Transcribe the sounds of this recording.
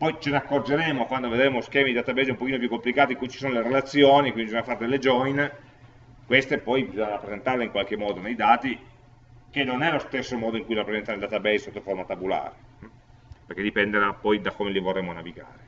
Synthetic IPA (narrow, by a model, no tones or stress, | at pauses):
pɔjt͡ʃenakːord͡ʒeɾeːmokwand̪oved̪ɾeːmosk̟ɛːmid̪id̪aːt̪abɛjzɛumpok̟iːnopjukːomplikaːt̪iŋkujt͡ʃisoːnoleɾelat̪sːjoːnikwindibizɔɲafaɾd̪elːed͡ʒɔjn | kwest̪epɔjbizɔɲːaɾapːɾezent̪aɾleiŋkwalkemːɔːd̪onejd̪aːt̪i | k̟enːonɛlost̪esːomɔːd̪oiŋkujɾapːɾezɛnt̪aneld̪at̪abɛsot̪ːofoɾmat̪abula̰ːɾe | perk̟ed̪ipɛnd̪ed̪apːɔjd̪akomelivorːeːmonaviɡa̰ːɾe